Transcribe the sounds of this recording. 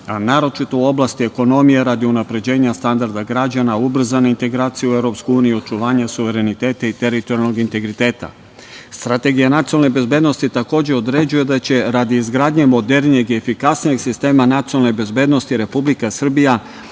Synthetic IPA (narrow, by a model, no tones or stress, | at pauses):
anaːɾo̞t͡ʃit̪o̞uo̞blˠast̪ie̞ko̞no̞mijeɾad̪iunapɾe̞d͡ʑe̞ːɲast̪and̪aɾd̪aɡɾad͡ʑanaubr̩zaneint̪e̞ɡɾaːt̪sijuevɾo̞pskuuːnijuo̞t͡ʃuʋaːɲasuʋe̞ɾe̞nit̪e̞ːt̪ait̪e̞ɾit̪oɾjaloɡint̪e̞ɡɾit̪e̞ːt̪a̰ | st̪ɾat̪e̞ɡijanat̪siolnebe̞zbe̞ːd̪no̞st̪it̪ako̞ːd͡ʑe̞o̞d̪ɾe̞d͡ʑuje̞d̪at͡ɕe̞ɾad̪iizɡɾaːd̪ɲemo̞d̪e̞ɾnijeɡie̞fikasnije̞ɡsist̪e̞ːmanat̪siolnebe̞zbe̞ːd̪no̞st̪iɾe̞publikasr̩bija